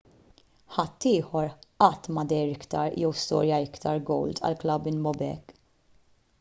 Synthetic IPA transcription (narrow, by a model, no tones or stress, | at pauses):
ħɐt̪ːiːħɔɾʔɐt̪ːmɐd̪ɛjɾɪkt̪ɐɾjɛwst̪ɔ̰ːɾjɐɪkt̪ɐɾɡɔ̰wlt̪ʰɐ̰lklɐbɪnbɔbɛ̰kː